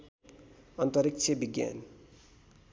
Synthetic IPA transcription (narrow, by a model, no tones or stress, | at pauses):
ʌnt̪ʌɾikt͡ʃʰebiɡja̰n